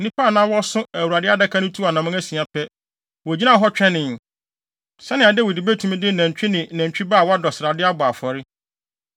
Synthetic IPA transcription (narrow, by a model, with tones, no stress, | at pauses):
nĩ˦pʰa˦˨nã˦wɔ˦sʊ̃˦æ˨wu˨ɾa˨dɪ˦a˦da˦kʰã˦nʊ̃˦tʰu˦a˨nã˨mʊ̃˦æ˦sĩ˨a˨pʰɛ˦ | wɔ˨d͡ʑi˦nã˦˨ɦɔ˦t͡ɕᶣɛ̃˦nɪ̃˨n˨ | sɛ˦nɪ̃˨a˨dɪ˦wɔ˨di˨be˦tʰũ˨mĩ˦dɪ˦næ̃˨ɲ̩˨t͡ɕᶣi˦nɪ̃˨næ̃˨ɲ˨t͡ɕᶣi˦baː˦˨wɔ˦a˦dɔ˨sɪ˨ɾa˨dɪ˦a˦bʊ˨a˨fɔ˨ɾɪ˦